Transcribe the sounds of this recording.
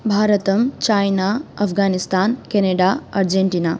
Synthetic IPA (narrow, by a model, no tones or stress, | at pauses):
bʱaːɾət̪əmt͡ʃajnaɐpʰɡanist̪aːnkeneɖaɐɾd͡ʒeɳʈiːna